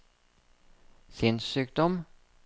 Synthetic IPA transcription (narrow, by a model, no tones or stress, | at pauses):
sɪnsyːk̚d̪ɔm